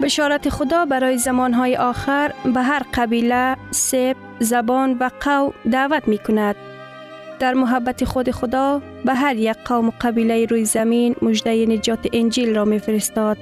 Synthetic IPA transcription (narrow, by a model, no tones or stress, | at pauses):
bɪʃɔɾat̪ɪxʊd̪ɒbaɾɔːjizamɔnɦɔːjiʔɔxɪɾbaɦaɾqabilasep̚ | zabɔnvaqʰawmd̪aːvat̪mekʊnad̪̚ | d̪̥aɾmʊɦabːat̪ɪxʊd̪ɪxʊd̪ɒ | baɦaɾjak̚qʰːawmʊqabilajiɾujzaminmʊd͡ʒd̪ajinɪd͡ʒɒːt̪ɪʔɪnd͡ʒilɾɔmefɪɾɪst̪ɔd̪̥̚